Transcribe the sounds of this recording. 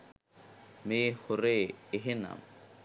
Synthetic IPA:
mehoɾeːɦena̰m

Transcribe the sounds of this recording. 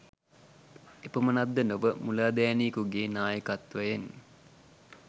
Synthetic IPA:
epəmənad̪ːənoʋəmulaːd̪ajanikuɡeːnaːjəkat̪ʋajen

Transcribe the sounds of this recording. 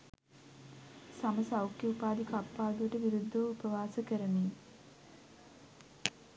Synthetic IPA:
saməsawkjeupaːd̪ikapːaːd̪uʋəʈəʋiɾud̪ʱːəʋupəʋaːsəkəɾəniː

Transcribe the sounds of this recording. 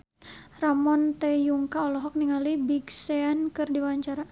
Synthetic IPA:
ramɔnt̪ɛjuŋkaɔlɔɦɔk̚niŋalibiɡsɛankɨrdiwaɲt͡ʃaɾa

